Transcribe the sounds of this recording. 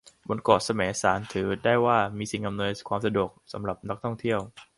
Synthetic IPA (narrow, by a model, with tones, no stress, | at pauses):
bo˧nkɔː˨˩t̪̚sa˧mɛː˩˦saː˩˦nt̪ʰɯː˩˦daː˥˩jwaː˥˩miː˧si˨˩ŋʔa˧mnɯː˧nkʰwaː˧msa˧du˨˩ək̚sa˩˦mɾa˨˩p̚na˦˥k̚t̪ʰɔ˥˩ŋt̪ʰi˥˩əw